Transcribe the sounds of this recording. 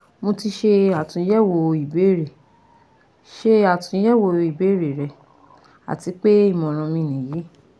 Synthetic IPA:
mo˧ti˧ʃe˧a˨tũ˧˦ɛ˦˨wo˧i˨be˨˦˨ɾe˨ | ʃe˧a˨tũ˧˦jɛ˦wo˧i˨be˨˦˨ɾe˨ɾɛ˧ | a̰˨ti˨˧˦k͡pe˦i˦˨mɔ̃˨ɾ̃ɔ̃˧mĩ˧˨nĩ˨ji˨˦

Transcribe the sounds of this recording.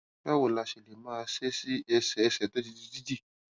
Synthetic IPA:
bɛ˦wo˦˨la˧˨ʃe˨le˨mãː˦˧se˦si˦ɛ˧sɛ˨˧sɛ˨to˦d͡ʒi˧˦d͡ʒi˦˧d͡ʒi˦d͡ʒi˦˨

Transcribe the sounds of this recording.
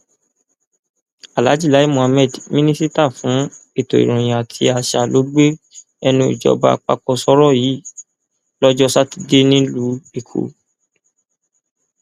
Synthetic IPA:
a˨la˨˦d͡ʒi˦˨a˨˦i˦˨mũ˨a˧mɛ˦˨dmĩ˦nĩ˦si˦ta˦˨fũ˨˦i˦˨to˨ḭ˨ɾ̃ũ˨j̃ã˨a˨tʰi˧a˧ʃa˨lo˨˦ɡ͡be˦ | ɛ˧nũ˧ḭ˨d͡ʒɔ̰˨˦ba̰˧k͡pa̰˧kɔ˧sɔ˧˦ɾɔ˦˨ji˨˦˨ | lɔ˦d͡ʒɔ˦sa˦ti˧de˦nĩ˦lu˦be˨kʰo̰˨

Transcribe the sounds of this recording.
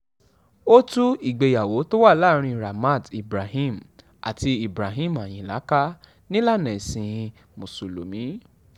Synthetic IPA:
o˦tu˦i˦˨ɡ͡be˨ja˨wo˨˦to˦wa˦˨la˦˨ɾ̃ĩ˧ɾa˨ma˦˨di˨bɾa˨ɦĩ˦˨m | ʔa̰˨ti˧i˨bɾa˨ɦĩ˦˨ma˨j̃ĩ˨la˨˦ka˦ | nĩ˦la˦˨nɛ̃˨sĩ˧ | mo˨su˨lo̰˨mĩ˨˦

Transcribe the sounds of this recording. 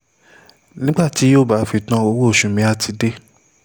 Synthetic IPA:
nĩ˦ɡ͡ba˦˨ti˨˦o˦˨ba˨˦fi˧tã˦o˧˦wo˦o˦˨ʃũ˨mĩ˨˦a˦tʰi˧˦de˦

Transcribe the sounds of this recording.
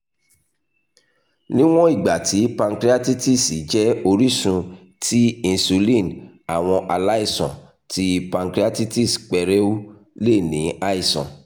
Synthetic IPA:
nĩ˦w̃ɔ̃˦i˦˨ɡ͡ba˨tʰi˨˦pã˧ŋkɾi˦a˦ti˦ti˦˨si˨˦d͡ʒɛ˦o˧ɾi˦sũ˧ | ti˦ĩ˧su˧lĩ˦˨n | a˨w̃ɔ̃˧ʔa˧la˦i˦˨sɔ̰̃˨ | tʰi˦pã˧ŋkɾi˦a˦ti˦ti˦˨sk͡pɛ˧ɾɛ˦u˦ | le˦˨nĩ˨˦a˦i˦˨sɔ̰̃˨

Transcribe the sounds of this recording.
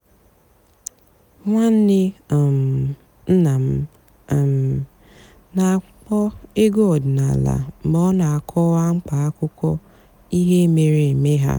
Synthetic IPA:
ŋʷa˦n̩˦nɪ˦˨m˨ | n̩˦na˨m̩˦˨ | m˨ | na˨k͡pɔ˦e˦ɡo˦˨dna˨la̰˨˦mɔ˦na˨a˨kʰɔ˦wa˦ŋ͡m̩˦k͡pa˨a˦kʊ˦kʷɔ˦ | i˦ɦe˦me˨ɾe˨e˨me˦ɦa̰˦

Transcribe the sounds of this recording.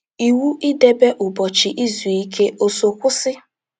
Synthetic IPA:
i˨wu˦ʔi˦de˦be˦ʔʊ˨bɔ˨t͡ʃɪ˨ʔi˦zu˨i˦kʰe˦o˦so˨kʷʊ˦sɪ˦

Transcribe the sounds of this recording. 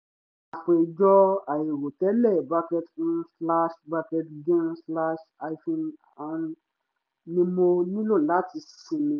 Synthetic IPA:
a˨fe˨d͡ʒɔ˦a˨je˨wo˨tɛ˦lɛ˦˨ba˧kɛ˧t̩˦sla˦ʃba˧kɛ˧tɡẽ˦nsla˦ʃa˧jfĩ˧n | a˨˧n | nĩ˧mo˧nĩ˦lo˦˨la˨˦ti˧sĩ˧mĩ˧

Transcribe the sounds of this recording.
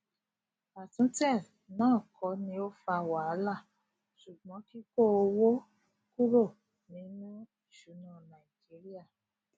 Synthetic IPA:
a˨tũ˨˦tɛ˦˨ | nãː˦˨kʰɔ˨˦nĩ˧˦o˦fa˧˨wa˨˦la˦˨ | ʃu˨ɡ͡bɔ̃˨˦ki˦ko˦˨o˧wo˦ | ku˦ɾo˦˨ | nĩ˨˦nũ˦i˨ʃu˨˦nã˦˨nã˨i˨d͡ʒi˨˦ɾi˦a˦˨

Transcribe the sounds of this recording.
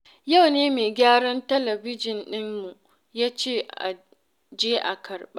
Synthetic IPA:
ja˦˨wneː˦meː˨ɡʲaː˦ɽɐ˦ntɐ˦lɐ˨bɪ˦d͡ʒɪ˨nɗɪ˦mːu˨ | jaː˦t͡ʃeː˦˨ʔa̰˨ | d͡ʒeː˦ʔa̰˨kʰɐ˨rɓa˦

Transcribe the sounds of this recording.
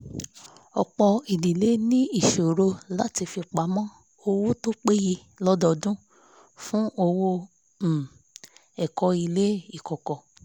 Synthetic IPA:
ɔ̰˧k͡pɔ˧i˨di˨le˨˦nĩ˦i˦˨ʃo˨ɾo˧la˦ti˧fi˧k͡pa˨˦mɔ̃˦ | o˧wo˦to˦k͡pe˦ji˧ | lɔ˦dɔ˧dũ˦ | fũ˦ʔo˧wo˦˨ | ɛ˨kɔ˧i˧le˦i˦˨kɔ˨kɔ˨

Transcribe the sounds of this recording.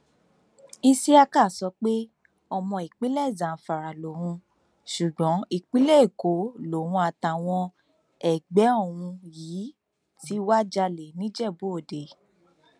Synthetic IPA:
i˦si˦a˧ka˦˨sɔ˨˧˦k͡pe˦ | ɔ˧mɔ̃˧i˨k͡pi˦lɛ˦˨zã˨fa˨ɾa˨lo˨wũ˧ | ʃu˨ɡ͡bɔ̃˨˦i˨k͡pi˦lɛ˦e˨ko˨˦lo˨wũ˧a˨ta˨w̃ɔ̃˧ | ɛ˨ɡ͡bɛ˨˦o˦˨w̃ũ˧jiː˨˦ | ti˨˦wa˦d͡ʒa˧le˨nĩ˦d͡ʒɛ˦˨bo˨˦o˨de˨

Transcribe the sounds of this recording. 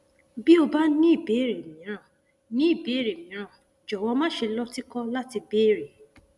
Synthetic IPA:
bi˦o˧ba˦nĩ˦˨be˨˦˨ɾe˨mĩ˨˦ɾ̃ã˦˨ | nĩ˨˦i˦˨be˨˦ɾe˨mĩ˨˦ɾ̃ã˦˨ | d͡ʒɔ˨wɔ̃˧mã˦ʃe˧lɔ˦ti˦kɔ˦la˦ti˧beː˦˨ɾe˨

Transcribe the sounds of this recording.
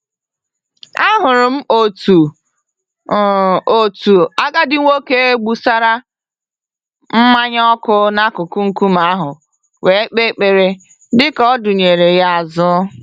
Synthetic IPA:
a˦ɦʊ˨ɾʊ˨m̩˦o˨tu˨ | o˨tu˨a˦ɡa˦dɪ˦ŋʷo˦ke˦e˦ɡ͡bu˦sa˦ɾa˦ | m̩˦ma˦ɲ˦ɔ˦kʊ˦na˦kʊ˨kʊ˦ŋ̩˨ku˦ma˨˦ɦʊ˨ | we˨˦k͡pe˦k͡pe˨ɾe˨ | dɪ˦kɔ˦dʊ˨ɲe˨ɾe˨ja˦˨zʊ˦

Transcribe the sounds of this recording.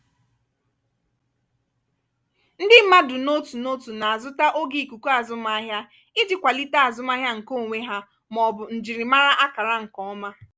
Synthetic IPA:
n̩˦dɪ˦ma˦dʊ˨no˦tu˨no˦tu˨na˨a˨zʊ˦ta˦ʔo˦ɡi˨ku˨ku˦a˨zʊ˦m˦a˦ɦja˦ | ɪ˦d͡ʒɪ˨kʷa˨li˦ta˦a˨zʊ˦m˦a˦ɦja˦ŋ̩˨ko˦˨ŋʷe˦ɦa˦ | mɔ˨bʊ˨n̩˨d͡ʒi˨ɾɪ˨ma˦ɾa˦ʔa˦ka˨ɾa˦ŋ̩˨kɔ˦ɔ˦ma˦

